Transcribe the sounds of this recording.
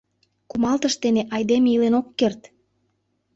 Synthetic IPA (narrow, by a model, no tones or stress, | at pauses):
kumɑlt̪əʃt̪eneʔɑjd̪emeilenokːert̪